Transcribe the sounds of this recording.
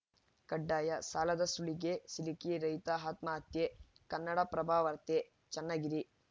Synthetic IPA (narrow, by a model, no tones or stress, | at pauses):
kɐɖːaːjɐsaːlɐd̪ɐsuɭiɡesilikiɾɐjt̪aɦaːt̪maːɐt̪je | kɐnːɐɽɐpɾɐbʱaːʋɐɾt̪e | t͡ʃɐnːaɡiɾi